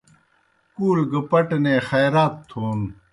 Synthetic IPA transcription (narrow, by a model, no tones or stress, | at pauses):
kuːlɡɐpɐʈneːxɐjɾaːt̪ʰːoːn